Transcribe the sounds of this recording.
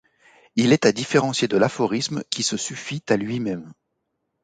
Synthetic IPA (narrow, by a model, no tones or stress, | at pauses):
ilɛt̪ad̪ifeʁɑ̃sjed̪əlafɔʁismkʲisəsyfit̪alɥimɛm